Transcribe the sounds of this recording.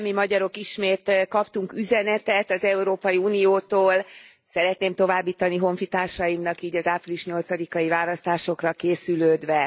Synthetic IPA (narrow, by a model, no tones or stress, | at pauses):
mimɒɟɒɾo̞kiʃmeːt̪kɒpt̪uŋkyzɛnɛt̪ɛt̪ɒzɛuɾoːpɒjiuːnijoːt̪oːl | sɛɾɛt̪neːmt̪o̞vaːbːiːt̪ɒniɦo̞ɱfit̪aːrʃɒjimnɒkiːɟɒzaːpriliʃɲo̞lt̪sɒd̪ikɒivaːlɒst̪aːʃo̞krɒkeːsyløːd̪ʋɛ